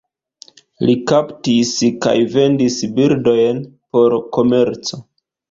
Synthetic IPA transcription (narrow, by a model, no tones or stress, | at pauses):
likaptiska̰jve̞ndisbiɾdo̞jnpo̞ɾko̞me̞ɾt͡so̞